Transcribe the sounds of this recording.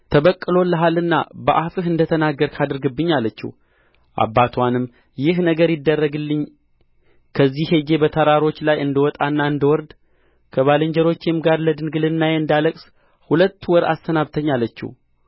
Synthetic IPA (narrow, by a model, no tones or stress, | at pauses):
t̪ʰəβəkʼːɨlo̞lːəɦalɨnːa̰bəʔafɨɦɨnd̪ət̪ʰənaɡːəɾkʰad̪ɨɾɡɨbːɨɲːalːət͡ʃːɪ̰h | ʔa̰bːat̪ʰwanɨmː | jɪhnəɡəɾjɪd̪ːərːəɡɨlːɨɲː | kʰəzːihed͡ʒe̞bət̪ʰəɾaɾo̞t͡ʃːlajɨnd̪əwɔt̪ʼanːaɨnd̪əwɔɾd̪ | kʰəβaləɲd͡ʒəɾo̞t͡ʃːemɡaɾləd̪ɨnɡɨlɨnːajeɨnd̪aləkʼs | hulət̪ːwɔɾa̰st̪ʰənaβt̪ʰəɲːalːət͡ʃːḭw